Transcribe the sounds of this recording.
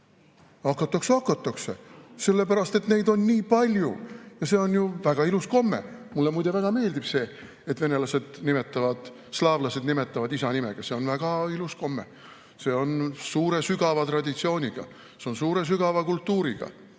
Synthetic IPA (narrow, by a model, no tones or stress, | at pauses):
ɑkːˑɑt̪ːˑɑksɑkːɑt̪ːˑɑksese̞lːe̞pæɾɑst̪e̞t̪ne̞jd̪o̞nːiːpɑlʲjṵjɑse̞o̞njuvæɡ̥ɑilusko̞mːḛmulːemujd̪̥evæɡ̥ɑme̞ːld̪ib̥se̞ː | et̪ve̞ne̞lɑse̞d̪̥nime̞t̪ːˑɑvɑd̪̥ | slɑːvlɑse̞d̪nime̞t̪ːˑɑvɑd̪isɑnimḛɡ̥ɑse̞o̞nvæɡ̥ɑilusko̞mːḛ | se̞ːo̞nsuːɾe̞syɡ̥ɑvɑt̪rɑd̪̥ʲit̪sio̞ːnʲiɡ̥ɑ̰ | seo̞nsuːɾe̞s̬yɡ̥ɑvɑkult̪ːuːɾiɡ̥ɑ̰